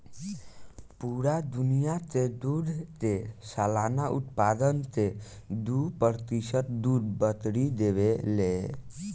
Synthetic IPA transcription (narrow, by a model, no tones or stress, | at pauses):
puɾad̪unijat̪ed̪uɾt̪esalanaʔṵt̪pad̪ənt̪e | d̪upəɾt̪isət̪̚d̪uɾbət̪ɽid̪eʋele